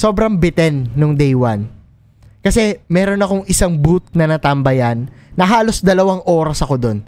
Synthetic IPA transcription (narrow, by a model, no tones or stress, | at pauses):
so̞ːbɾɐŋbɪt̪ɛnːoŋd̪ɛjwan | kɐsɛmɛːɾo̞nɐko̞ŋɪsaŋbut̪̚nɐnɐt̪ɐmbɐjɐnːɐɦaːlo̞sd̪ɐlɐwaŋʔo̞ːɾɐsɐko̞d̪o̞n